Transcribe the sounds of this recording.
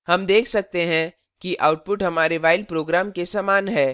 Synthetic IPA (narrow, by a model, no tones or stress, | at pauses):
hɐmd̪eːkʰsɐk̚t̪eɦɛ̃ | kiʔaːʊʈ̚pʊʈɦɐmaːɾeʋaːɪlpɾoːɡɾaːmkesaːmaːnɦɛː